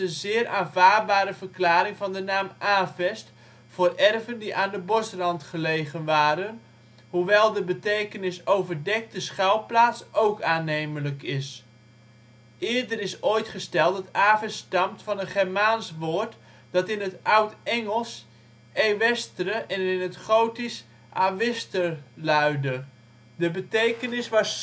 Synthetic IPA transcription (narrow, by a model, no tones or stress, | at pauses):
ənzɪːrʔaːnvaːbaːɾəvərklaːɾɪŋvɑndənaːmʔaːvɛst | fʊːrɛrvəndiʔaːndəbɔsrɑntχəlejχənʋaːɾən | huʋɛlˠdəbətejkənɪsowvərdɛk̚təsχɛlˠplaːsʔowkaːnejmələkɪs | ɪːɹdərɪsojtχəstɛlˠtətaːvəstɑmtfɑnənχɛɹmaːnsʋoːɹt | d̥ɑtɪnɦətʌwtɛŋəlˠs | ejʋɛstərəʔɛnɪnɦətχowtis | ʔaʋɪstəɹlœɥdə | dəbətejkənɪsʋɑs